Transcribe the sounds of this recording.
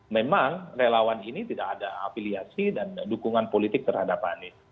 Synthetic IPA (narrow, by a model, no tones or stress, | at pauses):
memaŋrelawaninit̪idakadaa̰filiasidandukuŋanpolit̪ɪk̚t̪ərhadapani